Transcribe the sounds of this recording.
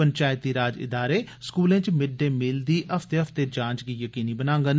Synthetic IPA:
əɲt͡ʃaːjɪt̪iːɾaːd͡ʒɪ̰d̪aːɾeːskuːlẽːt͡ʃmɪɖẽːmɪld̪iːʔəpʰt̪eːəpʰt̪eːd͡ʒãːt͡ʃɡiːjəkiːniːbənãːŋɡən

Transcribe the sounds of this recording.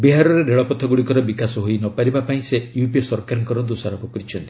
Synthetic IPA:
biɦaɾɔɾeɾeɭɔpɔt̪ʰːɔɡuɽikɔɾɔbikasɔɦojnɔpaɾibapaĩsejupisɔɾkaɾɔŋkɔɾɔd̪usaɾɔpɔkɔɾit͡ʃʰɔnt̪i̥

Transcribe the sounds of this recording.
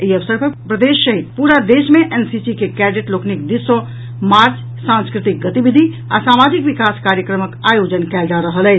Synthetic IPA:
eiəʋsəɾpəɾpɾəd̪eːʃːəɦid̪̚puːɾad̪eːʃmẽʔɛnsisikekɛːɖiʈloːknik̚d̪isõ | maːɾt͡ʃʰ | sãnskɾɪt̪ɪk̚ɡət̪ibid̪ʱi | a̰saːmaːd͡ʒikʋɪkaːskaːɾjəkɾəməkaːjoːd͡ʒənkɛːld͡ʒaɾəɦəlɛː

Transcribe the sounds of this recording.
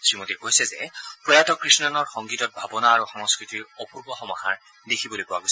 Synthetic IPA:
sɹimotikojsɛzɛpɹɔjatɔkɹisnɔnɔɹxɔŋɡitɔt̚bʱabɔnaːɹuxɔŋɔskɹitiɹɔpuɹbɔxɔmɔha̰ɹ | dekʰibolojpɔwa̰ɡojsɛ

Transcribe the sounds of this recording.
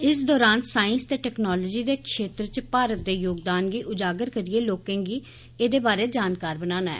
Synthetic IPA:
ɪsd̪ɔːɾaːnsaːɪnst̪eːʈɛːknɔːlɔːd͡ʒiːd̪eːkʃeːt̪ɾt͡ʃəpaːɾət̪̚d̪eːjoːɡ̚d̪aːnɡiːʔʊd͡ʒaːɡəɾkəɾieːloːkẽːŋɡiː | eːd̪eːbaːɾeːd͡ʒaːnkaːɾbənaːnaːɛ̰ː

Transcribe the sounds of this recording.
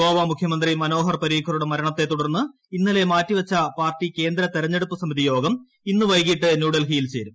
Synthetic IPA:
oːʋɐmukʰjɐmɐnd̪rimɐno̞ːɦɐrpɐɾiːkʰːɐɾuɽemɐɾɐɳɐt̪ːe̞t̪ːuɽɐrnːɨ | inːɐle̞maːtːiʋɐt͡ɕːɐpaːrtːike̞ːnd̪ɾɐt̪eɾɐɲːeɽupːɨsɐmiðijo̞ːɡɐm | inːɨʋɐjkiʈːɨnjuːɽɐlɦijilt͡ɕeːɾum

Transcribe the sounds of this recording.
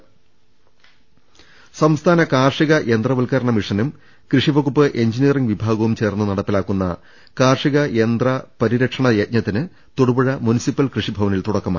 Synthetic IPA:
sɐmst̪ʰaːnɐkaːrʂiɣɐʔe̞nd̪rɐʋɐlkɐɾɐɳɐmiʂɐnum | krɨʂibʱɐɣupːɨʔe̞ɲd͡ʑinijɐriŋɡʋibʱaːɡɐʋumt͡ɕe̞ːrnːunɐɽɐpːilaːkːunːɐ̰ | kaːrʂiɣɐjend̪rɐpɐɾiɾɐkʂɐɳɐjɐt̪̚ɲɐt̪ːinɨ | t̪uɽubɐɻɐmunisipːɐlkrɨʂibʱɐʋɐnilt̪uɽɐkːɐma̰ː

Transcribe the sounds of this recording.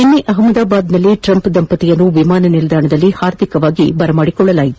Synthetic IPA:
enːeʔɐɦɐmɐd̪aːbaːd̪nɐlːiʈɾɐmpd̪ɐmpɐt̪ijɐnːuʋimaːnɐnild̪ʱaːɳɐd̪ɐlːihaːɾd̪ʱikɐʋaːɡibɐɾɐmaːɽikɔɭːɐlaːjit̪u

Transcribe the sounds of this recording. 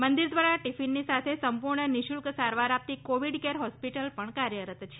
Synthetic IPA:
mənd̪iɾd̪ʋaɾaʈifinːisat̪ʰesəmpuɾɳəniʃulksaɾʋaɾap̚t̪ikoʋiɖkeɾɦɔspiʈəlpəɳkaɾjəɾət̪t͡ʃʰe

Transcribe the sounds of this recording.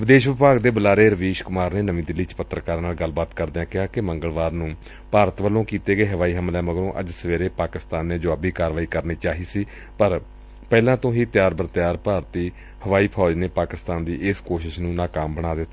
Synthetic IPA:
ʋɪd̪eːʃʋɪpaːɡd̪eːbəlaːɾeːɾəʋiːʃkʊmaːɾneːnəʋĩːd̪ɪlːiːt͡ʃpət̪ːɾəkaːɾnaːlɡəlbaːt̪kəɾd̪eãːkɪɦaːkɪməŋɡəlʋaːɾnũː | paːɾət̪ʋəlːõːkiːt̪eːɡəeːɦəʋaːiːɦəmlɛ̃ːməɡɾõːʔə̰d͡ʒsəʋeːɾeːpaːkɪst̪aːnːẽːd͡ʒʊaːbiːkaːɾʋaːiːkəɾniːt͡ʃaːɦiːsiː | pəɾ | pɛːlãːt̪õːɦiːt̪ɪjaːɾbəɾt̪ɪjaːɾpaːɾt̪iː | həʋaːiːpʰɔːd͡ʒneːpaːkɪst̪aːnd̪iːʔɪskoːʃɪʃnũːnaːkaːmbəɽ̃aːd̪ɪt̪ːaː

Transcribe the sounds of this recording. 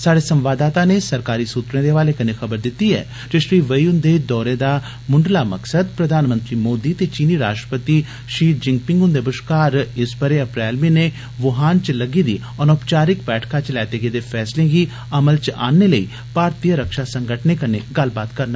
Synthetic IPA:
saːɽeːsə̃mʋaːd̪aːt̪ãːneːsəɾkaːɾiːsuːt̪ɾẽːd̪eʋaːleːkənexəbəɾd̪ɪt̪ːiɛ̰ː | d͡ʒəʃɾiːʋəiːʊnd̪eːd̪ɔːɾeːd̪aː | mʊɳɖlaːməksəd̪pɾəd̪ʱaːnmə̃nt̪ɾiːmoːd̪iːt̪eːt͡ʃiːniːɾa̰ːʃʈɾəpət̪i | ʃiːd͡ʒɪ̃ŋɡpɪ̃ŋɡʊnd̪eːbəʃkaːɾɪspəɾeəpɾɛːlmiːneː | ʋʊɦaːnt͡ʃləɡiːd̪iː | ənopt͡ʃaːɾɪkbɛːʈʰkaːt͡ʃlɛːt̪eːɡeːd̪eːpʰɛːslẽːɡi | əməlt͡ʃa̰ːneːləḭː | paːɾt̪ijəɾəkʃaːsəŋɡəʈʰneːkəneːɡəlbaːt̪kəɾna

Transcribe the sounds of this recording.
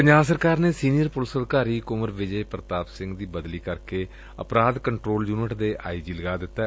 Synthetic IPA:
pəɲd͡ʒaːbsəɾkaːɾneːsiːnɪjəɾpʊlsəd̪kaːɾiːkʊməɾʋɪd͡ʒeːpɾət̪aːpsɪ̃ŋɡd̪iːbəd̪liːkəɾkeː | ə̰pɾaːd̪kəɳʈɾoːljuːnɪʈd̪eːʔa̰ːiːd͡ʒiːləɡaːd̪ɪt̪ːɛː

